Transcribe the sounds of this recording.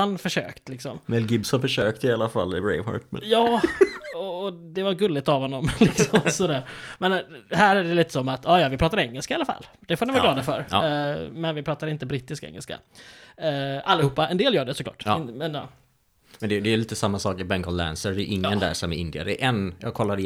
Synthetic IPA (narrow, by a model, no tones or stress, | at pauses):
anfœʂø̰ːkt̪lɪksɔmmɛlɡɪbshafœʂøːk̚t̪ɪalafa̰lːɪɾɛ̰ɪmhɑ̰ɾt̪m̰jɑːɔːd̪ɛvaɾɡɵlːɪt̪avɦhɔnːɔmlɪksɔmsɔd̪æːɾmɛnɦæːɾæɖɛliːt̪ə̥sɔmːat̪ɑːjɑːvɪpʰɾɑːt̪aɾɛŋːəlskaɪalafa̰lː | d̪̥ɛfoːɾnɪvːlɑːd̪afœɾ | mɛnvɪpʰɾɑːt̪ad̪ɾɪnt̪əbɾɪt̪ːɪskɛ̰ŋːɛlska̰ | ʔalːɪhuːpːaɛnd̪eːljœːɖɛsɔklɑ̰ːʈ̪ːmɛnjɑ̰ː | mɛnd̪ɛjd̪ɛjəliːt̪əsamːasɑːkɪbɛŋkɔllæ̰nsəɾd̪ɛjɵ̰ʔɪŋːənd̪æ̰ːʂɔmæɾɪ̰nd̪ɪa̰ɾd̪ɛʔɛnjɑ̰ːɡkʰɔlːaɾ